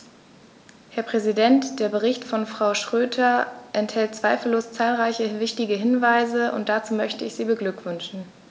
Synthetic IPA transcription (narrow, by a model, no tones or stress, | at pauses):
hɛːɐpʁ̥ɛzidɛntd̥eːɐbəʁɪçtfɔnfʁ̥aʊʃʁ̥øːtʰɐʔɛnthɛlt̚t͡sv̥aɪfl̩loːst͡saːlʁaɪçəvɪçtɪɡəɦɪnvaɪzəʔʊ̰nt̚d̥at͡suːmœçtəɪçz̥iːbəɡlʏkv̥ʏnʃn̩